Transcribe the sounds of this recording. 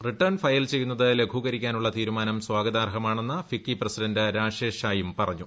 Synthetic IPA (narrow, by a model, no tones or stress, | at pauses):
riʈːɐrnfɐjilt͡ɕe̞jːunːɐðɨle̞ɡʱuɣɐɾikʲːaːnuɭːɐt̪iːɾumaːnɐmswaːɡɐðaːrɦɐmaːɳe̞nːɨfikːiprɐsidɐndɨɾaːʂeːʂaːjumpɐrɐɲːu